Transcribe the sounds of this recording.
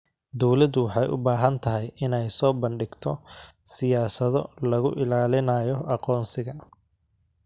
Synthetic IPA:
d̪ɔwlɐd̪ʊwɑħɑjʔʊ̰baːɦɐnt̪ʰɐɦɛjɪnɛjsɔːbɐɳɖɪɡt̪ʰɔsɪjaːsɐðɔlɐɣʊʔɪlaːlɪnɐjɔɑqɔːnsɪɣɐ

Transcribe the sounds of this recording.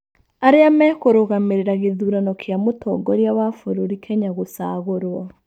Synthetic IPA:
aɾeamɛːkoɾoɣameɾeɾaɣeðuːɾanɔkʰeamotʰɔːŋɡɔɾjawafoɾoɾikʰɛɲaɣosaːɣoɾwɔ

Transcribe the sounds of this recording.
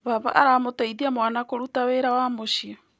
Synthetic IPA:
βaβa̰ʔaɾamotaiðiamwanakoɾutaweɾawamoʃiɔ

